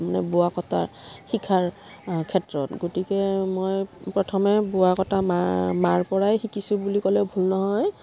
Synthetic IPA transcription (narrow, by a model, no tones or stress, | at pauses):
manɛ̰bʊakɔta̰xikʰaɹ | kʰɛtɹɔtɡotikɛmojpɹɔtʰɔmɛbʊakɔtamamaɹpɔɹajxikisubulikɔlɛʊbʱulnɔɦɔj